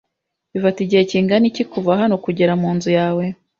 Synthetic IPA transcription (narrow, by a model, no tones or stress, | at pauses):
βivatiɟiheciːŋɡanicikuvaɦano̞kuɟeɾamuːnzujaːwe̞